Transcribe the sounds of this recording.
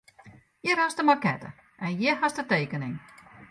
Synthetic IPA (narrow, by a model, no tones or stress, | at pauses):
jɪɾɔstəmarkɛtə̰ | ʔɛnjɪɦasdəteːkənɪŋ